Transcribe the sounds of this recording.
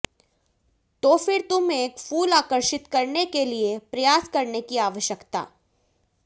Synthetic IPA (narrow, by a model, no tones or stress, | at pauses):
t̪oːfɪɾt̪ʊmeeːkfuːlaːkəɾʃɪt̪kɐɾnekeliepɾɐjaːskɐɾnekiaːʋəʃjəkt̪a̰ː